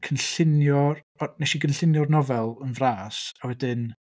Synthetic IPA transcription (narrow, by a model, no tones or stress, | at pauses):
kʰənɬɪnjɔr | ɔnɛʃiɡənɬɪnjɔrnɔvɛlˠənvraːsawɛdɪn